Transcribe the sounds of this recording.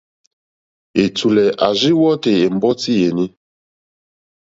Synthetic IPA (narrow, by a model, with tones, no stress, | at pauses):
e˨tu˨lɛ˨ʔa˨ʒi˦wɔ˦te˨e˨m̩˦bɔ˦ti˦je˨ni˦